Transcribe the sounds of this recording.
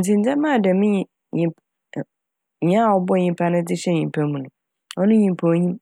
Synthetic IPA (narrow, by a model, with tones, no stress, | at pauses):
n̩˨t͡sɪ̃˨n˦d͡zɛ̃˦mã˦˨dɛ˨mɪ̃˦ɲ˦ | ɲĩ˨p | ɲĩ˦a˦˨wɔ˦bɔ˦˨ɲĩ˦mpʰa˦nʊ̃˦d͡zɪ˦ɕɛ˦ɲĩ˨pʰɛ˦mũ˨nʊ̃˨ | ɔ˦nʊ̃˦ɲĩ˨m˨pʰa˨wo˨˦ɲĩ˦m